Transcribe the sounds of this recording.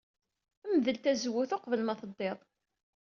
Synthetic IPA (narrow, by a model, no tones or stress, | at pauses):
æmðəlt̪æzwuθʊqvəlmɑθəd̪ˤːeðˤ